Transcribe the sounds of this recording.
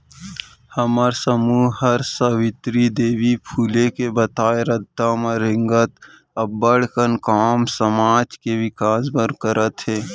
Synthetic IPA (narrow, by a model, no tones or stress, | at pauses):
həmaɾsəmuːɦhəɾsəwɪt̪ɾid̪eːwipʰuːlekebɐt̪aːeɾəd̪ːamãɾɪ̃ŋɡət̪ | ɐbːəɽkənkaːmsəmaːd͡ʒkeʋɪkaːsbəɾkəɾʔət̪ɦeː